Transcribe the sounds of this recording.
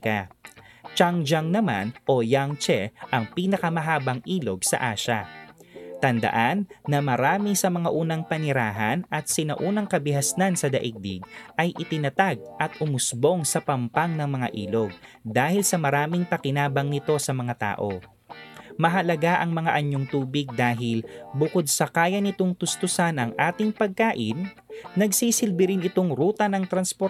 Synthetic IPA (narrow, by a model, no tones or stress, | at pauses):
kɐ | t͡ʃaŋd͡ʒaŋnɐma̰nʔojaŋt͡ʃɛʔɐŋpiːnɐkɐmɐɦaːbɐŋʔiːlo̞ɡ̚sɐ̰ʔaːʃɐ | t̪ɐnd̪ɐ̰ʔanːɐmɐɾaːmisɐmɐŋaʔuːnɐŋpɐnɪɾaːɦɐnʔɐt̪̚sɪnɐʔuːnɐŋkɐbɪɦɐsnansɐd̪ɐʔiɡ̚d̪ɪ̰ɡ̚ʔɐjʔɪt̪ɪnɐt̪aɡ̚ʔɐt̪ʊmʊsbo̞ŋsɐpɐmpaŋnɐŋmɐŋa̰ʔḭːloɡ̚ | d̪aːhɪlsɐmɐɾaːmɪŋpɐkɪnaːbɐŋnɪt̪o̞sɐmɐŋat̪a̰ːʔo̞ | mɐɦɐlɐɡaʔɐŋmɐŋa̰ʔɐɲːoŋt̪uːbɪɡ̚d̪aːɦɪlbʊko̞d̪̚sɐkaːjɐnɪt̪o̞ŋt̪ʊst̪ʊsanɐŋʔaːt̪ɪŋpɐɡ̚kaːʔɪ̰nː | ɐɡsiːsɪlbɪɾɪnɪt̪o̞ŋɾuːt̪ɐnɐŋt̪ɾɐnspo